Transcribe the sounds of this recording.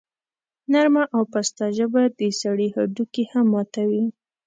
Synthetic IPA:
naɾmaʔawpast̪ɑʒabad̪d̪əsaɽihaɖukehamːɑt̪awi

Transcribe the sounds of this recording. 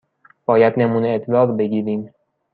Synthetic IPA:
b̥ɒːjæd̪nemuːneːt̪ʰlɒːʁbe̞ɡiːɾiːm

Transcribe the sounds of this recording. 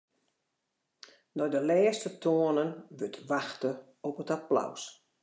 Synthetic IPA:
nɔjdəlɛːstətʰoənənʋøtʰʋaxtə | ɔpətapla̰ws

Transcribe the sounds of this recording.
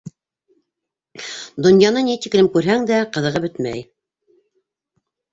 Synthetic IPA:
d̪ŏnjɑnɤnit̪iklɘmkʉɾɦæŋd̪æqɤ̆ðɤ̆ʁɤbɵt̪mæ̰j

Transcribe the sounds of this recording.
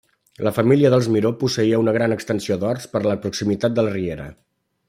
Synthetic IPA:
ləfəmiliəðəlˠzmiɾopusəiəunəɣ̞ɾanəkst̪ənsiod̪ɔrspəɾləpɾuksimit̪at̪̚d̪əlˠrieɾə̰

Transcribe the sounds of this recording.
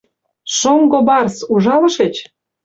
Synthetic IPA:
ʃoŋɡobɑrsuʒɑlɤ̆ʃet͡ɕ

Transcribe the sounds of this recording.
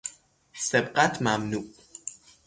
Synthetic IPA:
sɛbqʼat̪ʰmamnuʔ

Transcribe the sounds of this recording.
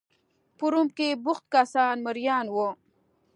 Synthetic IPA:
puɾumkebʊχt̪̚kasaːnməɾjaːnwo

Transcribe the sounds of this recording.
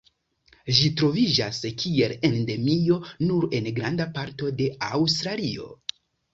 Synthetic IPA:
ʒitɾo̞vid͡ʒaskʰie̞le̞nde̞mio̞nuɾe̞nɡɾandapaɾto̞de̞awstɾalio̞̰

